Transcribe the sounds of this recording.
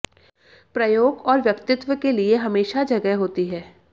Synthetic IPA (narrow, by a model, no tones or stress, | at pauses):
pɾɐjoːɡɔːɾʋjɐkt̪ɪt̪wəkelieɦɐmeːʃad͡ʒɐɡɛɦoːt̪iɦɛː